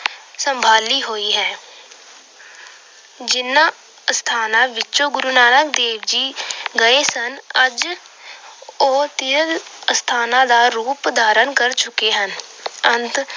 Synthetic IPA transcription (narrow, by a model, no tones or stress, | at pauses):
səmbʱaːliːɦoːiːɦɛː | d͡ʒɪnːãː | st̪ʰaːnãːʋɪt͡ʃõːɡʊɾuːnaːnəkd̪eːʋd͡ʒiːɡəeːsənəd͡ʒ | oːt̪ɪjəlst̪ʰaːnãːd̪aːɾuːpd̪ʱaːɾənkəɾt͡ʃʊkeːɦənənt̪